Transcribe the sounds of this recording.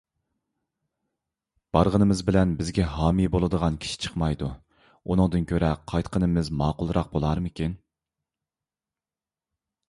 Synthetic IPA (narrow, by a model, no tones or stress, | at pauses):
b̥ɑɾʁənɨmɪzbɪlɛnbɪzɡʲɛɦɑːmibolˠɨd̪əʁɑnkʲʰi̥ʃi̥t͡ʃʰə̥qmɑjd̪u | unɨŋd̪ɨnkʲʰøɾɛqʰɑjt̪qʰənɨmɪzmɑːqʊlˠɾɑq̚bolˠɑɾmɨkʲin